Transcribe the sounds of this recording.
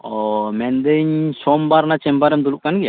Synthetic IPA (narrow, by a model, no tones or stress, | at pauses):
ɔmɛnd̪əɲsɔmbaɾnat͡ʃɛmpaɾɛmd̪uluʔkanɡia